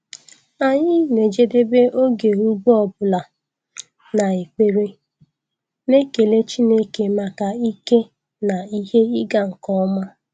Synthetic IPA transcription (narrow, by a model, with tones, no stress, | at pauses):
a˨ɲɪ˦˨ne˨d͡ʒe˦de˦be˦o˦ɡe˨u˦ɡ͡bɔ˨bʊ˨la˨ | na˨e˨k͡pe˨ɾe˦ | ne˦ke˨le˦t͡ʃi˦ne˦ke˨ma˨ka˨i˦ke˦ | na˨i˦he˦i˦ɡa˨ŋ̩˨kɔ˦ma˦